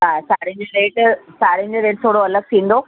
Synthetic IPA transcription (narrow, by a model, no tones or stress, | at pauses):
ɦãːsaːɽ̤ĩɲd͡ʑoɾeːʈsaːɽ̤ĩɲd͡ʑeɾeːʈ̚t̪ʰoːɽoɐləɡ̚t̪ʰĩːnd̪o